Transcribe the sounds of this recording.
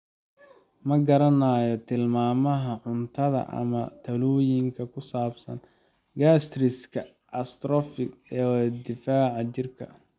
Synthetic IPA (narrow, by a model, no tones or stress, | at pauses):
mɐɡɐɾɐnaːjɔt̪ʰɪlmaːmɐɦɐʕʊnt̪ʰɐðɐ̰ʔɐ̰mɐt̪ʰɐluːjɪŋkʰɐkʰʊsaːbsɐ̰n | ɡaːst̪rɪskʰɐ | ʔɐst̪ɾɔfɪɡɛːd̪ɪfaːʕɑt͡ʃɪrkʰɐ̰